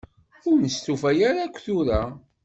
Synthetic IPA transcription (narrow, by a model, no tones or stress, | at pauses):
ʊɾnəst̪ufæjaɾakʷːθuɾa